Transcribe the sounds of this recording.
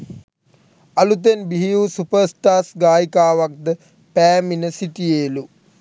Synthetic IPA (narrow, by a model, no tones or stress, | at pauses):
alut̪enbiɦijusupəɾsʈaːsɡaːjikaːʋak̚d̪ə | pæːminəsiʈijeːlu